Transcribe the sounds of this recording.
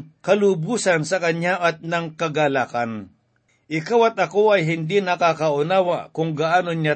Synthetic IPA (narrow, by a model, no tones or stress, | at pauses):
kɐlubuːsɐnsɐkɐɲaʔɐt̪̚nɐŋkɐɡalaːkɐn | ʔɪkawɐt̪̚ɐko̞ɐjɦɪnd̪inɐkakɐʔʊnaːwakʊŋɡaʔaːnoɲa